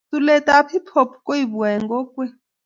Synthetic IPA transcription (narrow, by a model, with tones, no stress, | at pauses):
tu˦lɛ˦tʼapʰi˦pʰo˨pʰu̥kʼo˦i˨βu˨ɛ˨ŋɡɔ˦kwɛ˦